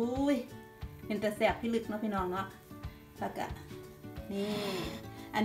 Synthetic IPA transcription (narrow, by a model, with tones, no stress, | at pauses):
u˧˦j | pe˨˦nt̪ɛ˧˩sɛː˧˩k̚pʰiː˧˥˨lɯ˧˩k̚nɔ˧pʰiː˧˨nɔː˧˦ŋnɔ˧˦ʔ | lɛ˧˩ka̰˧˩ʔniː˧˩˨ | ʔa˨n